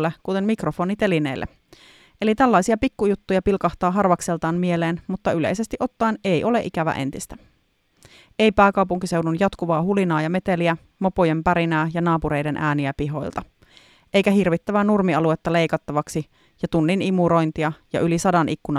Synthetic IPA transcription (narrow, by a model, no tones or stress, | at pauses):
lːekut̪enmikrofo̞ːnit̪e̞linḛlːḛ | ʔelit̪ælːɑjsiɑpikːujut̪ːujɑpilkɑht̪ɑːɦɑrʋɑkselt̪ɑːnmieleːnmut̪ːɑylḛise̞st̪iʔo̞t̪ːɑine̞jʔo̞lḛʔikæʋæ̰ʔḛnt̪ist̪æ | e̞jpæːkɑuwpuŋkise̞uwdunjɑt̪kuʋɑːhulinɑːjɑme̞t̪eliæ | mopojempæɾinæːjɑnɑːpuɾe̞jdenʔæːniæpiɦo̞̰jlt̪ɑ | ʔejkæɦirʋit̪ːæʋænurmiɑluet̪ːɑle̞jkɑt̪ːɑʋɑksi | jɑt̪unːinimuɾo̞jnt̪iɑjɑ̰ʔylisɑdɑnʔikːunɑ